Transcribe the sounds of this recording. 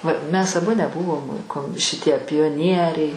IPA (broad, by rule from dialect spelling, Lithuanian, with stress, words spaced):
ʋɐ ˈmʲɛs ɐˈbʊ nʲɛˈbʊʋoːm koːm ʃʲɪˈtʲiɛ pʲoːˈnʲiɛrʲɛɪ